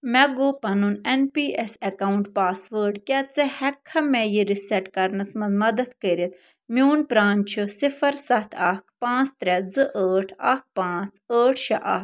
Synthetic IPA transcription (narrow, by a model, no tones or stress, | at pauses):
mɛɡoːpɐnunenpiːesekaːuɳʈpaːsʋəːɾɖkʲɛt͡sɐhɛkʰːɐmɛjiɾisɛʈkɐɾnɐsmɐnzmɐd̪ɐt̪kəɾit̪ | mjoːnpɾaːnt͡ʃʰusifɐɾsɐt̪ʰɐkʰpãːt͡st̪ɾɛd͡zɨʔəːʈʰɐk̚pãːt͡səːʈʰʃɐʔɐ̰